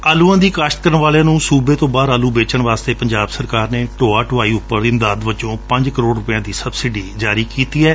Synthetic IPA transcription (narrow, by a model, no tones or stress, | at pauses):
aːluːãːd̪iːkaːʃt̪̚kəɾəɳʋaːlejãːnũːsuːbeːt̪õːbaːɾaːluːbeːt͡ʃəɳʋaːst̪eːpəɲd͡ʒaːbsəɾkaːɾneːʈoːaːʈʰʊʋaːiːʊpːəɾɪ̃nd̪aːd̪bət͡ʃõːpə̃ɲd͡ʒkəɾoːɖɾʊpɪjãːd̪iːsəbsɪɖiːd͡ʒaːɾiːkiːt̪iːɛː